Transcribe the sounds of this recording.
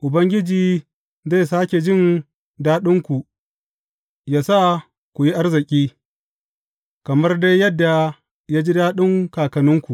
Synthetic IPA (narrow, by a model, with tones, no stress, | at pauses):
ʔʊ˨bɐ˦ŋɡʲɪ˦d͡ʒiː˨ | ze˦˨saː˦kʲe˨d͡ʒɪ˦˨n | daː˦ɗɪ˦ŋkʷu˨ | jaː˦sa˦˨ | kʷu˨ji˦ʔa˦rzɪ˨kʲʼiː˦ | kɐ˨mɐ˦rde˦jjːɐ˦dːa˨ | jaː˦d͡ʒi˦daː˦ɗɪ˦ŋkaː˨kɐ˨nʊ˦ŋkʷu˨ʔ